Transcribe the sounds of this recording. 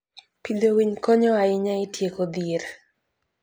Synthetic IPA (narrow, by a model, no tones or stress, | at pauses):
pidowiɲkɔɲɔaɪɲaitjekod̪ieɾ